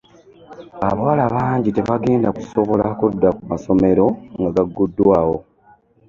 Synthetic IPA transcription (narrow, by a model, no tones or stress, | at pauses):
a̰βawalaβaːɲɟite̞βaɡe̞ːndaku̥so̞βo̞lakoudːakumaso̞me̞ɾo̞ŋɡaɡaɡːudːwaːwo̞